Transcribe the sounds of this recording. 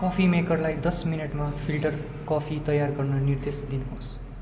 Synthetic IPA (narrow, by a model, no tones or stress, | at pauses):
kʌpʰimekʌrlajd̪ʌsminʌʈmapʰilʈʌr | kʌpʰit̪ʌjarɡʌrnʌnird̪esd̪inuɦos